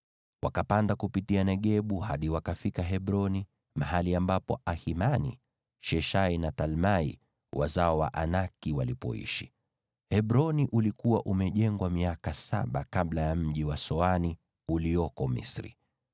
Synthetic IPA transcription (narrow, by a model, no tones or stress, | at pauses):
wa̰kapandakupitianɛɠɛɓuhaɗiwakafikaɦɛɓɾɔni | mahaliambapɔ̰ʔahimanḭ | ʃɛʃainatalmaḭ | wa̰zaɔwa̰ʔanakiwalipɔ̰ḭʃi̥ | hɛɓɾɔniʔulikuwa̰ʔumɛʄɛŋɡwamiakasa̰ɓakaɓlajam̩ʄiwasɔani | uliɔkɔmḭsɾḭ